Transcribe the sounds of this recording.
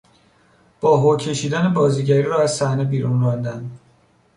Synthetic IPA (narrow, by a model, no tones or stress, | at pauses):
b̥ɒːɦocʰe̞ʃiːd̪ænebɒːziːɟæɾiːɾɒːæzsæhne̞biːɾunrɒːnd̪ænd̪